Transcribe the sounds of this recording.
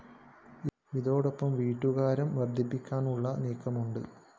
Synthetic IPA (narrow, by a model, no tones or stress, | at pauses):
ʋiðo̞ːɽopːɐmʋiːʈːuɣaːɾɐmʋɐrd̪ʱːipːikʲːaːnuɭːɐneːkːɐmuɳɖɨ